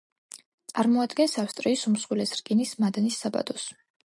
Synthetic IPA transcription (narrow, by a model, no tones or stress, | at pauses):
t̪sʼaɾmɔad̪ɡɛnsafst̪ʼɾiːsumsχwilɛsɾkʼinismad̪nisːaba̰d̪ɔs